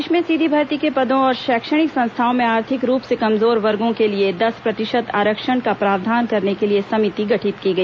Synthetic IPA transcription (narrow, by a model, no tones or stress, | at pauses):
ʃmẽsid̪ʱibʱɐɾt̪ikepɐd̪õɔːɾʃɛːkʃəɽ̃ɪksɐ̃nst̪ʰaːõmẽaːɾt̪ʰɪkɾuːpsekɐmzoːɾʋɐɾɡõkelied̪ɐspɾɐt̪ɪʃət̪a̰ːɾəkʃəɳkapɾaːʋd̪ʱaːnkɐɾnekeliesɐmɪt̪iɡɐʈʰɪt̪kiɡɐiː